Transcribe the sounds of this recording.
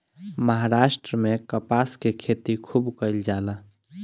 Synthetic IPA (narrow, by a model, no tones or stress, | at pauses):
məɦaɾaʃʈɾəmekəpaskekʰet̪ikʰubkəjld͡ʒala